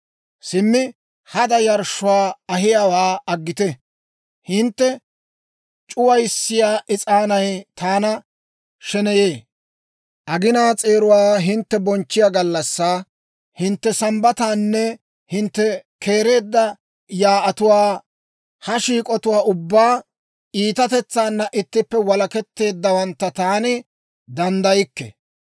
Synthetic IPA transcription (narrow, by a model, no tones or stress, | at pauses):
sɪmːɪ | hɐd̪ɐjɐɾʃʊwaːɐɦɪjawaːɐɡːɪt̪ɛ | hɪnt̪ːɛ | t͡ʃʼʊwɐjsːɪjaːʔɪt͡sʼaːnɐjt̪ʰaːnɐ | ʃɛnɛje̞ː | ʔɐɡɪnaːt͡sʼe̞ːɾʊwaːɦɪnt̪ːɛbɔnt͡ʃːɪjaɡɐlːɐsːaː | hɪnt̪ːɛsɐmbɐt̪aːnːɛ | hɪnt̪ːɛkʰe̞ːɾe̞ːd̪ːɐ | jaːʔɐt̪ʊwaː | hɐʃiːkʼɔt̪ʊwaːʔʊbːaː | iːt̪ɐt̪ɛt͡sːaːnːɐʔɪt̪ːɪpːɛwɐlɐkɛt̪ːe̞ːd̪ːɐwɐnt̪ːɐt̪aːnɪ | d̪ɐnd̪ɐjɪkːɛ̰